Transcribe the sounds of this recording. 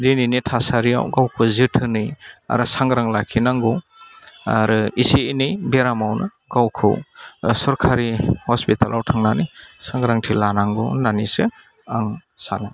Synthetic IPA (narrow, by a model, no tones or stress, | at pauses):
dininitʰasaɾia̰wɡawkʰɯzɯtʰɯnɯja̰ɾɯsaŋɡɾaŋlakʰinaŋɡɔw | a̰ɾɯisiinɯjbeɾamawnɯ̰ | ɡ̥awkʰɯ̰wsɔɾkʰaɾihɔspitʰalʔawtʰaŋnanijsaŋɡɾaŋtʰilanaŋɡɔnanise | aŋsana